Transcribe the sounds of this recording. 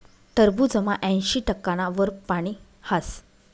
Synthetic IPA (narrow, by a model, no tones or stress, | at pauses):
t̪əɾbuːd͡zəmaʔɛ̃j̃ɕiːʈəkːaɽ̃aʋəɾpaɽ̃i | has